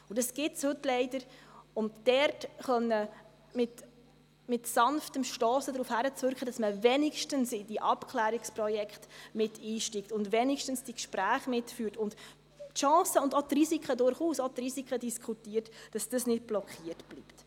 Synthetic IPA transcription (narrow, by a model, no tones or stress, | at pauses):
ʊdɑsɡ̥ɪtshɵtlɛɪdəɾʊnd̥ɛrtχœnːə | mɪt | mɪtsɑnftəmʃtɔːsədɾuːfhæɾət͡svʏɾkχəd̥ɑsməvɛniʃtənsɪd̥iʔɑpkʰlæːɾiksprɔjɛkχtmɪtʰiːʃtiktʊndʋɛniʃtənsd̥ikʃpɾæːχmɪtfyːrtʊnd | tʃɑ̃ːsəʊndot̪risikχədʊɾχuːsot̪risikχədiskʰχutiːɾtd̥ɑsd̥əsnɪd̚b̥lɔkχiːərtb̥lipt